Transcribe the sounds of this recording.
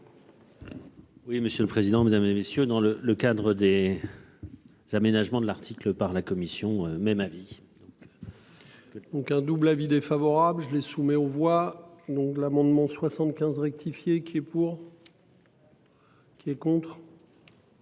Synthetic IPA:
wiməsjøləpχezid̪ɑ̃med̪amzemesjød̪ɑ̃lələkad̪ʁəd̪e | z̥amenaʒmɑ̃d̪əlaʁt̪ʰikləpaʁlakɔmisjɔ̃ømɛmavi | d̪ɔ̃k | d̪̥ɔ̃kɛ̃d̪ublavid̪efavɔʁablʒəlesumɛovwad̪ɔ̃k̪əlamɑ̃d̪mɑ̃swasɑ̃t̪kʲɛ̃zʁɛk̚t̪ʰifjekʲʰiɛpuʁ | kʲiɛkɔ̃t̪χ

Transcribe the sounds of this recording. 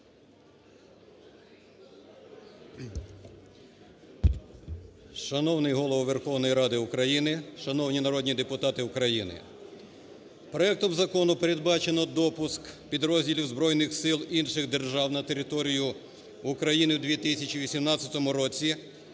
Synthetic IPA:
ʃɐnɔwnɪjɦɔlˠɔʋɔʋe̞rxɔwnɔjiɾɑd̪ɪukɾɐjinɪʃɐnɔwnʲinɐɾɔd̪ʲnʲid̪epʊt̪ɑt̪ɪʊkɾɐjinɪ̰ | pɾɔɛk̚t̪ɔmzɐkɔnʊpeɾed̪̚bɑt͡ʃenɔd̪ɔpʊskpʲid̪ɾɔzʲdʲilʲiwzbɾɔjnɪxsɪlˠinʃɪɣd̪e̞rʒɑwnɐt̪e̞ɾʲɪt̪ɔɾʲijʊ | ʊkɾɐjinɪwd̪ʲʋʲit̪ɪsʲɐt͡ʃiʋʲisʲimnɑt͡sʲːɐt̪ɔmʊɾɔt͡sʲi

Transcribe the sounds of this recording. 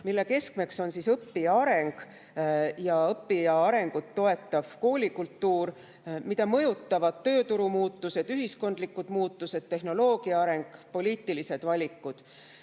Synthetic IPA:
milːe̞ke̞skme̞kso̞nsisɤpːiɑɾe̞ŋɡ̥ | jɑɤpːiɑɑɾe̞ŋɡ̥ut̪ːo̞e̞t̪ːˑɑv̥ko̞ːlʲikult̪ːuːɾ | mid̪ɑmɤ̞jut̪ˑːɑvɑd̪̥t̪ːø̞ːt̪uɾumuːt̪ːˑuse̞d̪yɦisko̞nd̪likːˑud̪̥muːt̪ːˑuse̞d̪̥t̪ːe̞ɦno̞lo̞ːɡ̥iɑɑɾe̞ŋɡ̥po̞lʲiːt̪ːˑilise̞d̪̥vɑlʲikːud̪̥

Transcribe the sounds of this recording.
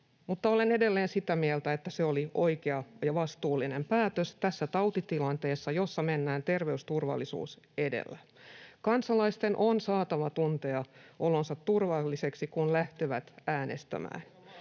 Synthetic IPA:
mut̪ːɑolenede̞lːeːnsit̪æmielt̪æet̪ːæseolio̞ikeɑjɑʋɑst̪uːlːinempæːt̪øst̪æsːæt̪ɑut̪it̪ilɑnt̪eːsːɑjo̞sːɑmenːæːnt̪erʋeyst̪urʋɑ̰lːisṵːs | edḛlːækɑnsɑlɑist̪enʔonsɑːt̪ɑʋɑt̪unt̪eɑʔo̞lonsɑt̪ːurʋɑlːiseksikunlæht̪eʋæt̪æːnḛst̪æ̰mæ̰ːn

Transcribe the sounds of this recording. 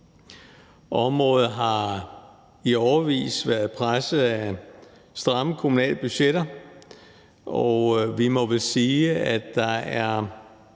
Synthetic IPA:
ʔɒ̽mʁɔ̰̽ːð̩ˠɦɑ̈ | iɒʊɐʋḭːsʋæɐðˠpʰʁasəæ | sd̥ʁɑ̈məkʰomunɛ̰ːlb̥yɕeɾ̥ɐ | ɒʋimɔ̽ʋelsiːæd̥ɑ̈æɐ

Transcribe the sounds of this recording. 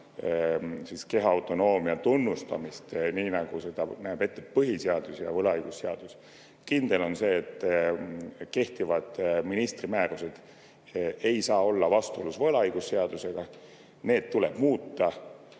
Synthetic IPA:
siske̞ɦɑwt̪ˑo̞no̞ːmiɑt̪unːust̪ɑ̰mist̪niːnɑɡ̥use̞d̪̥ɑnæːb̥e̞t̪ːepɤɦiseɑd̪usjɑ̰vɤlɑɑjɡ̥usːeɑ̰d̪̥us | kind̪̥e̞lo̞nse̞ːt̪ˑː | ke̞ht̪ivɑd̪̥minist̪rimæːɾuse̞d̪̥ | e̞jsɑːo̞lːɑvɑst̪uolusvɤlɑɑjɡ̥usːe̞ɑd̪use̞ɡ̥ɑ | ne̞ːd̪̥̚t̪ːuleb̥muːt̪ːˑɑ

